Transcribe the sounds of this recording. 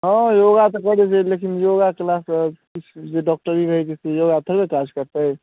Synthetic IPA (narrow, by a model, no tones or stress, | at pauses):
ɦɔ̃joɡat̪ɔkəɾɛt͡ʃɛlekinjoɡakelaskit͡ʃʰd͡ʒeɖɔk̚ʈəɾiɾəɦɛd͡ʒisejoɡat̪ʰəɾbekad͡ʒkəɾt̪əɛ